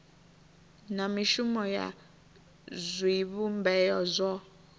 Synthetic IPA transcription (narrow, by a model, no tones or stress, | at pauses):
namiʃumɔja̰ | zʷiβumbɛjɔzʷɔ